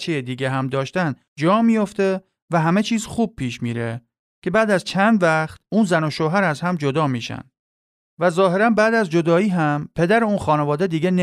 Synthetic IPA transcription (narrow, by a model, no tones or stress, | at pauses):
t͡ʃʰejed̪iːɟeɦæmd̪ɒːʃt̪æn | d͡ʒɒːmiːjo̞ft̪e̞ | væɦæme̞t͡ʃʰiːzxuːb̚pʰiːʃmiːɾḛ | cʰe̞bæːd̪æzt͡ʃʰænd̪væxt̪̚uːnzæno̞ʃoɦæɾæzhæmd͡ʒo̞d̪ɒːmiːʃæ̰nd̪ | væzɒːɦe̞ɾænbæːd̪æzd͡ʒo̞d̪ɒːiːɦæmpʰe̞d̪æɾeuːnxɒːnevɒːd̪ed̪iːɟene